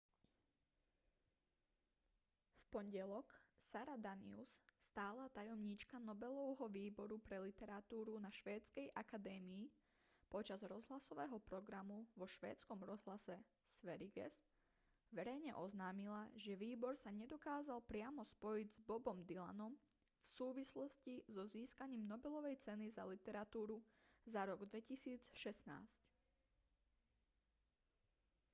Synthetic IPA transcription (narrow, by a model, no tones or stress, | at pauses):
fpɔɲɟɛlɔksaɾad̪anḭṵsst̪aːlat̪ajɔmɲit͡ʃkanɔbɛlɔʊɦɔʋiːbɔɾupɾɛlit̪ɛɾat̪uːɾunaʃʋɛːt͡skɛjʔakad̪ɛːmiː | pɔt͡ʃazɾɔzɦlasɔʋɛːɦɔpɾɔɡɾamuʋɔʃʋɛ̰ːt͡skɔmɾɔzɦlasɛ | sʋɛɾiɡɛ̰s | ʋɛɾɛjɲɛʔɔznaːmilaʒɛʋiːbɔɾsaɲɛd̪ɔkaːzalpɾɪamɔspɔjiɟzbɔbɔmd̪ila̰nɔm | fsuːʋislɔscizɔziːskaɲiːmnɔbɛlɔʋɛjt͡sɛniza̰lit̪ɛɾat̪uːɾuzaɾɔɡd̪ʋɛcisiːt͡sʃɛsna̰ːsc